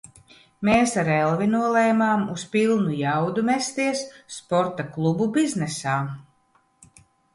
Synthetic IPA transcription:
meːsaɾɛlˠvinuɔlˠɛːmaːmuspʲilˠnujawd̪umɛst̪iɛsːpɔɾt̪aklˠububiznɛsaː

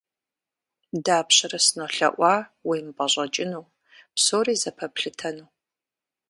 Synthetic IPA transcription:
daːpɕɐɾɐsɨnoɬɐ̰ʔʷɑːwijmbʼɐʑʷʼɐt͡ʃʼɪnuː | psoːɾiːzɐpʰɐpɬɨtʰɐnuː

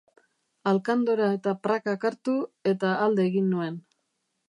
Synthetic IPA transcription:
alkand̪oɾae̞t̪apɾakakaɾt̪ue̞t̪aːld̪e̞ːɣinːue̞n

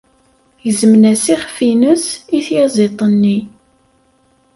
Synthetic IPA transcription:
jəzmnæsiχfinəsiθjɑzˤet̪ˤənːi

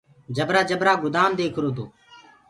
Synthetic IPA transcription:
d͡ʒəbɾaːd͡ʒəbɾaːɡʊd̪aːmd̪eːkʰɾoːt̪oː

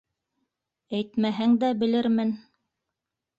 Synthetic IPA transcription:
æjt̪mæɦæŋd̪æbɘ̆lɘɾmɘn

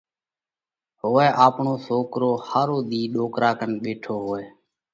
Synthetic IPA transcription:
ɦoːɛːʔaːpɳoːsoːkɾoːhaːɾoːɗ̪iːɗoːkɾaːkənɓeːʈʰoːɦoːɛː

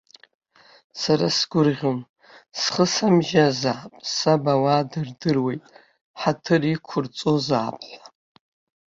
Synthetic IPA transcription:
saɾasɡ̥ʷʊrʁʲon | sχəsamʒazaːpʼsabawadɨrdɨrwe̞jtʼ | ħatʰɨrikʷʰʊrt͡sʼoza̰ːpʼħʷa

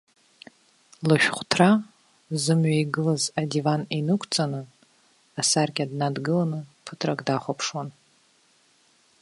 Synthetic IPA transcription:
lɨʃᶣχʷtʰra | zɨmɥajɡɨlazadivaninɨkʷʰt͡sʼanɨ | asarɡʲadnadɡɨlanɨpʰɨtʰrakʼdaχʷapʰʂwan

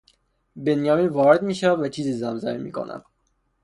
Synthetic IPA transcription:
benjɒːmiːnvɒːɾe̞d̪miːʃævæd̪væt͡ʃʰiːziːzæmzæmimḭːkʰo̰nʔæ̰d̪̥̚

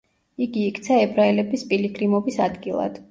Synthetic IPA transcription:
iɡiːkʰʼt̪sʰaɛbɾaɛlɛbispʼiliɡɾimɔbisad̪ɡilˠa̰d̪̥

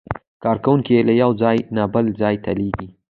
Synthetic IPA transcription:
kɑɾkawuŋkielajawzɑjnɑbəlzɑjt̪aleɡi

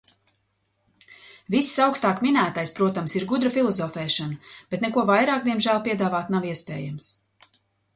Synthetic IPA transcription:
vissawkst̪aːkminæːt̪ajspɾuɔt̪amsiɾɡud̪ɾɐfilˠɔzɔfɛːʃanab̥ɛt̪nɛkuɔvajɾaːkd̪iɛmʒæːlˠpiɛd̪aːvaːt̪naviɛspɛ̰ːjams

